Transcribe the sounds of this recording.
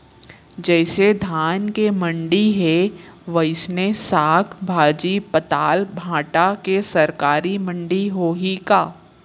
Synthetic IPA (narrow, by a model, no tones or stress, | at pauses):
d͡ʒɛːsed̪ʱaːnkemə̃ɳɖiɦeʋɐɪsnesaːkʰbʱaːd͡ʒipət̪aːlbʱãːʈakesɐɾkaːɾimə̃ɳɖiɦoːɦikaː